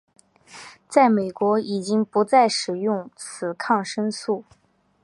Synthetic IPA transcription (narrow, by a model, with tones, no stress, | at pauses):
t͡sa˥˩ɪme˨˩ɪkwɔ˧˥i˨˩t͡ɕi˥ŋpu˧˥t͡sa˥˩ɪʂɻ̩˨˩jʊ˥˩ŋt͡sʰɹ̩˨˩kʰɑ˥˩ŋʂə˥ŋsu˥˩